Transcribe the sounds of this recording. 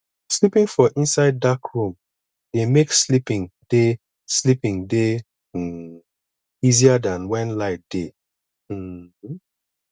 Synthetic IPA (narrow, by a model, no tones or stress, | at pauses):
slipĩŋfɔʔĩnsaɪd̚ːakʰɹũm | demekslipĩŋd̥e | slipĩŋde | iziadãnwɛ̃nlaɪt̚d̥e | h̩